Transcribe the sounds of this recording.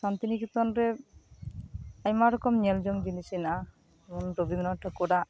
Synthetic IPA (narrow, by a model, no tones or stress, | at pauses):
sant̪inikit̪ɔnɾɛ | əɲmaɾɔkɔmɲɛld͡ʒɔmɡinisinaʔa | mɔnɾobimnɔʈʰəkɔɖaʔ